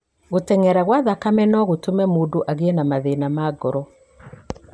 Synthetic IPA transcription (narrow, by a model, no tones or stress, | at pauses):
ɣotɛŋɛɾaɣwaðakamɛnɔɣotomɛmodoʔaɣeenamaðenamaɡɔɾɔ